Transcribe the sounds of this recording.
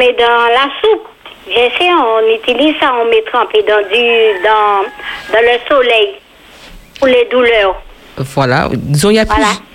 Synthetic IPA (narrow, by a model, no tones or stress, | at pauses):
mɛd̪ɑ̃lasup̚ | ʒɛsɛɔ̃nyt̪ilizsaɔ̃mɛt̪χɑ̃ped̪ɑ̃d̪yd̪ɑ̃d̪ɑ̃ləsolɛj | puled̪ulœʁ | vwala̰zɔ̃iapala